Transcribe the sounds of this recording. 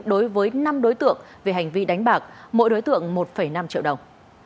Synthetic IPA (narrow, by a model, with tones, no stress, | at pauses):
ɗo˨˦jvəː˨˦jna˧mɗo˨˦jt̪ɨ̰˧˨əŋ | ve˨˩ɦa˨˩jŋ̟vi˧ɗa˨˦jŋ̟ɓaː˨˩k̚mo̰˧˥˨jɗo˨˦jt̪ɨ̰˧˨əŋmo˨˩t̚fə˧˩jna˧mt͡ɕḭ˧˨wɗə˨˩wŋ͡m